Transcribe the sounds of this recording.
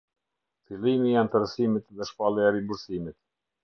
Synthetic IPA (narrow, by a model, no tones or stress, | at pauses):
filˠimiant̪əɾəsimit̪ðɛʃpalˠɛaɾimbuɾsimit̪̚